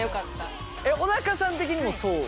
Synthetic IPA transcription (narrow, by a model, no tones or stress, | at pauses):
jo̞kat̪ːa | eonakasãnt̪e̞kʲiɲ̟imo̞soː